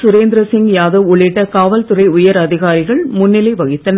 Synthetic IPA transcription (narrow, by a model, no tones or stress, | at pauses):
sʊɾeːnd̪ɾɐsɪŋɡjaːðɯʊɭɪʈːɐkaːʋɐlt̪ʊrɐɪʊjɐɾɐðɪɣaːɾɪɣɐɭmʊnːɪlɐɪʋɐɣɪt̪ːɐn